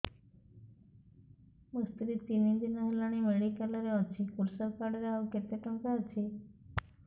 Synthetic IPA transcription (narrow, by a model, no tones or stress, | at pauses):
must̪ɾit̪inid̪inɔɦelaɽ̃imeɽikalɔɾeɔt͡ʃʰikuɾsəɾkaɽɔɾeauket̪eʈɔŋkaət͡ʃʰi